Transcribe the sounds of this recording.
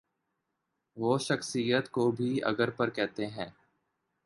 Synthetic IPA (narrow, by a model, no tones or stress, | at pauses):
ʋoːʃɐxsijət̪kobʱiɐ̰ɡəɾpəɾkɛɦt̪eɦɛ̃ː